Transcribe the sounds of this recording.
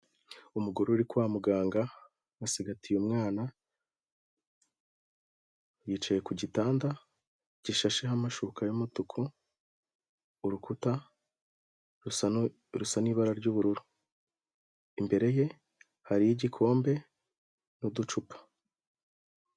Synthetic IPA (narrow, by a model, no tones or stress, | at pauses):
umuɡuɾoɾikwaːmuɡaːŋɡa | asiɡatʰijumŋaːna | jiːt͡ʃaje̞kuɟitaːnda | ɟ̥iʃaʃe̞ɦamaʃukajomutukʰu | ɾukuta | ɾusaniβaɾaɾɟuβuɾuɾu | imbe̞ɾe̞je̞ | haɾijiɟikʰo̞ːmbe̞ | nudut͡ʃupḁ